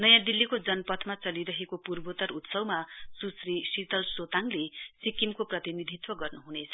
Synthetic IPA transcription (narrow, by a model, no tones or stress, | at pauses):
nʌjãd̪ilːikod͡zʌnpʌt̪ʰmat͡sʌliɾʌɦekopurbot̪ʌɾut̪sʌwmasusrisit̪ʌlsot̪aŋlesikimkoprʌt̪inid̪ʱit̪wʌɡʌrnuɦunet͡sʰʌ